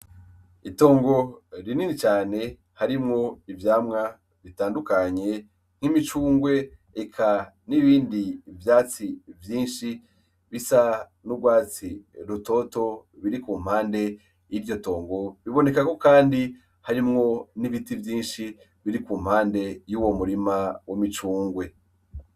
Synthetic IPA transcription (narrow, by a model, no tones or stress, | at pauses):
ito̞ːŋɡo̞ɾininit͡ʃaːne̞ | haɾimŋo̞ivjaːmŋa | βitaːndukaɲe̞ | ŋ̥himit͡ʃuːŋɡwe̞ːkʰa | niβiːndivjaːt͡sivjiːnʃi | βisa | nuɡwaːt͡siɾuto̞to̞βiɾikuːm̥haːnde̞ | jiɾjo̞to̞ːŋɡo̞βiβo̞ne̞kako̞kaːndi | haɾimŋo̞niβitivjiːnʃi | βiɾikuːm̥haːnde̞juwo̞muɾimawomit͡ʃuːŋɡwe̞